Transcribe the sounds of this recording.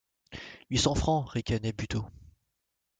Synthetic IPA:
ɥisɑ̃fχɑ̃ʁekʲanɛbyt̪o

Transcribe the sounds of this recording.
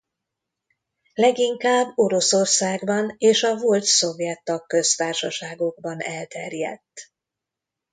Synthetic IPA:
lɛɡiŋkaːbːo̞ɾo̞so̞rsaːɡbɒneːʃɒvolt̪so̞vjɛt̪ːɒkːø̞st̪aːrʃɒʃaːɡo̞ɡbɒnɛlt̪ɛrjɛ̰t̪ː

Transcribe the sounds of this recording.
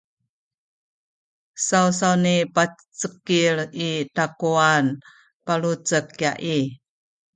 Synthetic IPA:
sausaunipa | t͡səkiɭitakuan | palut͡səkja̰ʔi

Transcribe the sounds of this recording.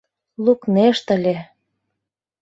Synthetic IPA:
lukneʃt̪ə̆lʲe

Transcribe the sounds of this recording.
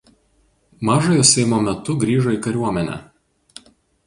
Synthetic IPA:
mɑːʒojoːsʲɛɪmoːmʲɛt̪ʊɡɾʲiːʒoikɐɾʲuɔmʲɛnʲɛ̰

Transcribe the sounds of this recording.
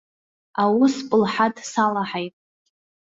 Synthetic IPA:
awʊspʼɨlħadʰʼsalaħajtʼ

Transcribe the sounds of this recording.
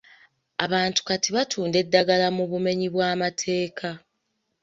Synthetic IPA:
aβaːntu̥katiβatʰuːnde̞dːaɡalamuβume̞ɲiβwaːmatʰe̞ːkʰa

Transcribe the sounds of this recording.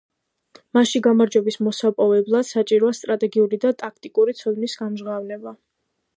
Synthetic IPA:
maʃiɡamaɾd͡ʒɛbismɔsapʼɔvɛblˠad̪̥sat͡ʃʼiɾɔast̪ʼɾat̪ʼɛɡiuɾid̪at̪ʼakʰt̪ʼikʼuɾit̪sʰɔd̪nisɡ̥amʒʁavnɛba

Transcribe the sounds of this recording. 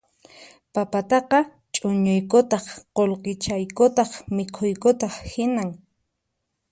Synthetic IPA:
papat̪ɑqɑ | t͡ʃʼʊɲʊjkʊt̪ɑχqolqet͡ʃajkʊt̪ɑχmɪkʰʊjkʊt̪ɑχhɪnaŋ

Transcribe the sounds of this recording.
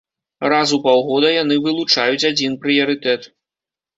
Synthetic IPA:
razupawɣɔd̪ɐjanɨvɨlˠut͡ʂajut͡sʲad͡zʲinpɾɨjɐɾɨt̪ɛt̪

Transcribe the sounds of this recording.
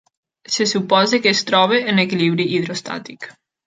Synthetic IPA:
sesupɔzekeːst̪ɾɔβ̞eːnekiliβɾiʔiðɾost̪a̰t̪ik

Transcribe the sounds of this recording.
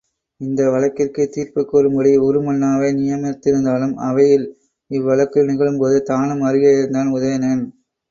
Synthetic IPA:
ɪnd̪ɐʋɐɭɐkːɪrkɯt̪iːɾpɯkːoːɾɯmbɐɽiɔɾɯmɐnːaːʋɐɪnɪjɐmɐt̪ːɪɾɯnd̪aːlɯmɐʋɐjɪl | ɪʋːɐɭɐkːɯnɪɣɐɭɯmpoːðɯt̪aːnɯmɐɾɯɣɐɪɾɯnd̪aːnʊðɐjɐnen

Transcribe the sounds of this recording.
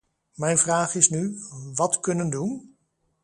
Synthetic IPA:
mɛjnvraːχɪsnyʋɑtkɵnəndun

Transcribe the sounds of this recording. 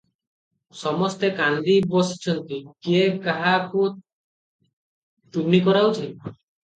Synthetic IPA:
sɔmɔst̪ekand̪ibɔsi̥t͡ʃʰɔnt̪ikiekaɦaku | ʈuɡnikɔɾawt͡ʃʰi

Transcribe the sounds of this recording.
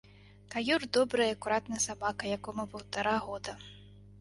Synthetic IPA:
kajurd̪ɔbɾɐjɐɐkuɾat̪nɐsabakɐjakɔmɐpɐwt̪aɾaɣɔd̪ɐ

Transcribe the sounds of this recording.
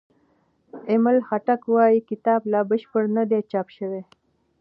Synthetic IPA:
ɪməlxaʈakwɑjikɪt̪ɑblɑbəʃpəɽnad̪et͡ʃɑpʃəwe

